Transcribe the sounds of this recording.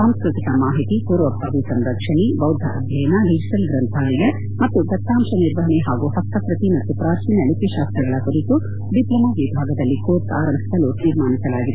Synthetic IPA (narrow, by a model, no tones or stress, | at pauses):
aːmskɾut̪ikɐmaːɦit̪ipuːɾʋɐbʱaːʋisɐmɾɐkʂɐɳibɐwd̪ʱɐʔɐb̪ʱjɐjɐnɐɖid͡ʒiʈɐlɡɾɐnt̪ʰaːlɛɡe | mɐt̪ːuɡ̪ɐt̪ːaːmʃɐniɾʋɐɦɐɳiɦaːɡuɦɐst̪ːɐpɾɐt̪imɐt̪ːupɾaːt͡ʃiːnɐlipiʃaːst̪ɾɐɡɐɭɐkuɾit̪u | ɖiplɐmɐʋibʱaːɡɐd̪ɐlːikoːɾt̪a̰ːɾɐmbʱi̥sɐlut̪iːɾmaːnisɐlaːɡid̪e